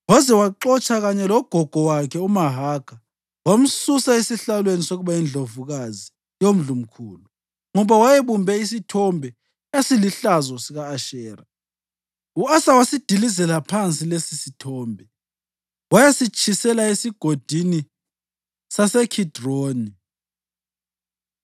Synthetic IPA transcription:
wazɛwaǁɔt͡ʃʼaɣaɲɛlɔɡ̥ʱɔɡ̥ʱɔwakʰɛumaɦaɡ̥ʰʱa | wam̩susaesiɬalwenisoɣuβaind͡ɮʱovuɣazi | jom̩ɮum̩kʰuːlu | ŋɔβawajeβumbʱɛis̬itʰɔmbʱɛ | jasiliɬazɔsiɣaːʃɛːra | uasawasid̥ʱilizɛlapʰant͡sʼilesisitʰɔːmbʱɛ | wajasit͡ʃʼʰisɛlaesiɡ̥ʱod̥ʱini | sasɛkʰid̥roːni

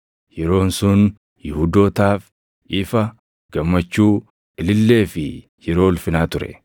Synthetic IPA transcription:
jɛɾo̞ːnsʊn | jɪhuːd̪o̞ːt̪aːf | ʔɪfɐ | ɡ̥ɐmːɐt͡ʃːuː | ɪlɪlːe̞ːfɪ | jɛɾo̞ːʊlfɪnaːt̪ʊɾɛ̰

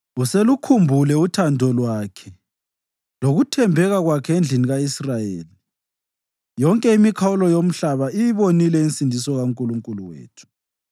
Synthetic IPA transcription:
uselukʰumbʱulɛutʰandʱɔlwaːkʰɛ | loɣutʰɛmbʱɛɣaɣwakʰɛend͡ɮʱiniɣaisrajḛːli | jɔŋkʼɛimikʰaulɔjom̩ɬaβaijiβonilɛinsʼindʱisɔɣauŋkʼuluŋkʼuluwḛːtʰu̥

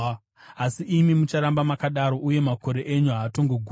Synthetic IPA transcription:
asiʔimimut͡ʃaɾambamakaɗaɾo̞ʔuje̞mako̞ɾe̞ʔeɲuɦaːto̞ŋɡoɡʱu

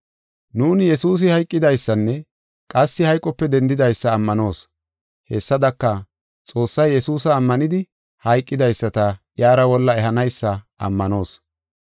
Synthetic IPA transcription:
nuːnjɛsuːs̬ɪhɐjkʼːɪd̪ɐjsːɐnːɛ | kʼɐsːɪhɐjkʼɔpːɛd̪ɛnd̪ɪd̪ɐjsːɐːmːɐno̞ːs | hɛsːɐd̪ɐkːɐ | t͡sʼo̞ːsːɐjːɛsuːsɐːmːɐnɪd̪ɪ | hɐjkʼːɪd̪ɐjsːɐt̪ɐ | jaːɾɐwɔlːɐɛɦɐnɐjsːɐ | ɐ̰mːɐno̞ːs

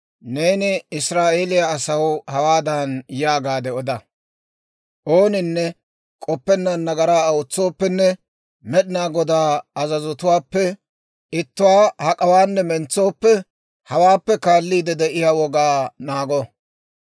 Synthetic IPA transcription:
ne̞ːnɪɪsɾaːʔeːlɪjaːsɐwhɐwaːd̪ɐnjaːɡaːd̪ɛɔd̪ɐ | ʔo̞ːnɪnːɛ | kʼɔpːɛnːɐnːɐɡɐɾaːʊt͡sːoːpːɛnːɛ | mɛɗɪnaːɡɔd̪aːɐzɐzɔt̪ʊwaːpːɛ | ɪt̪ːʊwaːhɐkʼɐwaːnːɛmɛnt͡sːo̞ːpːɛ | hɐwaːpːɛkaːlːiːd̪ɛd̪ɛʔɪjawɔɡaːnaːɡɔ

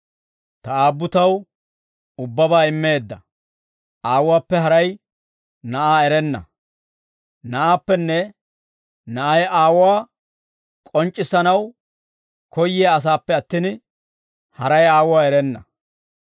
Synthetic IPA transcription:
t̪ɐaːbːʊt̪ɐw | ʊbːɐbaːɪmːe̞ːd̪ːɐ | aːwwaːpːɛɦɐɾɐj | nɐʔaːɛɾɛnːɐ̰ | nɐʔaːpːɛnːɛ | nɐʔɐjaːwʊwaː | kʼɔnt͡ʃʼːɪsɐnɐw | kɔjːɪaːs̬aːpːɛɐt̪ːiːn | hɐɾɐjaːwʊwaːɛɾɛnːɐ

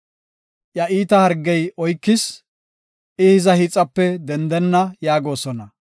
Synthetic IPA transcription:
ʔjɐʔiːt̪ɐhɐɾɡːɛjʔɔjkːɪs | ʔɪhɪzɐhɪt͡sʼːɐpːɛd̪ɛnd̪ɛnːɐjaːɡo̞ːsɔnɐ

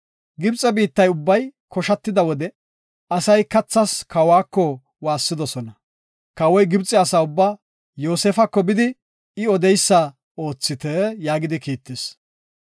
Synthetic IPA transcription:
ɡɪbt͡sʼːɛbiːt̪ːɐjʊbːɐjkɔʃɐt̪ːɪd̪ɐwɔd̪ɛ | ɐsɐjkɐt͡sːɐskʰɐwaːkːɔ | waːsːɪd̪ɔsɔnɐ | kɐwɔjɡɪbt͡sʼːɛɐsaːʊbːaː | joːseːfɐkːɔbɪd̪ɪ | ɪɔd̪ɛjsːɐ | o̞ːt͡sːɪt̪ɛjaːɡɪd̪ɪkiːt̪ːes

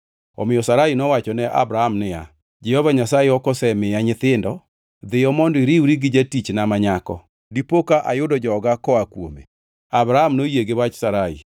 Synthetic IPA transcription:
ɔ̰mɪjɔsaɾainɔwat͡ʃɔnɛʔa̰bɾahamnɪja | d͡ʒɛhɔvaɲasajeɔkɔsɛmɪjaɲɪt̪ɪndɔ | d̪ɪjɔmɔndiɾiwɾiɡɪd͡ʒatit͡ʃnamaɲakɔ̰ | dipokaʔa̰jʊdɔd͡ʒɔɡakɔakwo̰mḛ | abɾahamnojeɡewat͡ʃsaɾaḭ

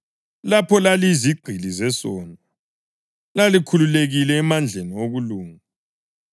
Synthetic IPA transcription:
lapʰɔlaliziɡ͡ǃʱilizɛsɔːndʱa | lalikʰululeɣilɛːmand͡ɮʱenioɣuluːŋa

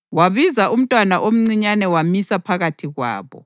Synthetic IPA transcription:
waβizaʔum̩tʼwanaʔom̩ŋ͡ǀiɲanɛwamisapʰaɣatʰiɣwa̰ːβɔ̰

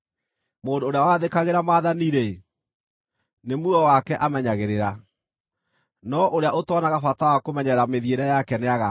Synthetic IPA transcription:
moːndoːɾeawaðekaɣeɾamaːðaniɾe | nemuɔwakɛʔamɛɲaɣeɾeɾa | nɔʔoɾeaʔotwɔnaɣafatawakomɛɲɛɾameðieɾɛjakɛneaɣa

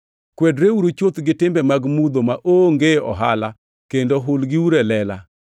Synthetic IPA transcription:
kwɛdɾeuɾot͡ʃot̪ɡɪtɪmbɛmaɡmud̪omaʔoŋɡeɔ̰ɦala | kendoɦʊlɡɪuɾɛlɛla

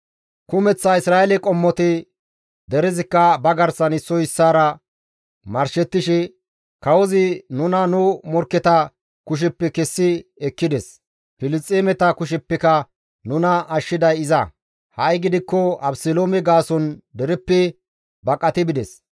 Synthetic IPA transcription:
kʊmɛt͡sːɐɪsɾaːɛlɛkʼɔmːɔt̪ɪ | d̪ɛɾɛzɪkːɐbɐɡɐɾsɐnɪsːɔjɪsːaːɾɐ | mɐɾʃɛt̪ːɪʃɪ | kɐwɔzɪnʊnɐnʊmɔɾkːɛt̪ɐ | kʊʃ̬ɛpːɛkɛsːɪɛkːɪd̪ɛs | pɪlɪst͡stʼːeːmɛt̪ɐkʊʃ̬ɛpːɛkɐ | nʊnɐːʃːɪd̪ɐjɪzɐ | hɐjɡɪd̪ɪkːɔɐbsɪloːmɛɡaːsɔnd̪ɛɾɛpːɪ | bɐkʼɐt̪ɪbɪd̪ɛs

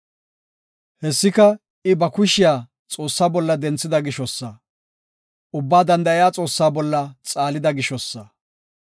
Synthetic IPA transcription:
hɛsːɪkɐ | ɪbɐkʊʃɪjaː | t͡sʼo̞ːsːaːbɔlːɐd̪ɛnt͡sːɪd̪ɐɡɪʃɔsːɐ | ʔʊbːaːd̪ɐnd̪ɐɪjaːt͡sʼo̞ːsːaːbɔlːɐt͡sʼaːlɪd̪ɐɡɪʃɔsːɐ

